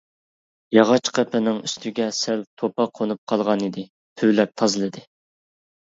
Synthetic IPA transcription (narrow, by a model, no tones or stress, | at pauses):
jɑʁɑt͡ʃqʰɛpʰɪnɪŋyst̪ʰyɡʲɛsælt̪ʰopɑqʰonup̚qʰɑlˠʁɑnid̪ɪ | tʰywlɛp̚t̪ʰɑzɨlˠɨd̪ɨ